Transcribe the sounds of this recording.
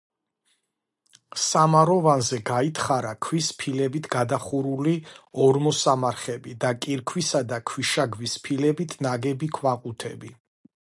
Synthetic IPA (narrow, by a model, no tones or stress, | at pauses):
samaɾɔvanzɛɡait̪ʰχaɾakʰwispʰilɛbit̪ʰɡad̪aχuɾuliɔɾmɔsamaɾχɛbid̪akʼiɾkʰwisad̪akʰwiʃaɡvispʰilɛbit̪ʰnaɡɛbikʰwaqʼut̪ʰɛ̰bi